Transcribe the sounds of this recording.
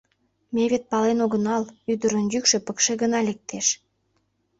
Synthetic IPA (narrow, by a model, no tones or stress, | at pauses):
meβet̪̚pɑlenoɣənɑlyd̪ə̆ɾənjykʃĕpəkʃeɣənɑlek̚t̪ʰeʃ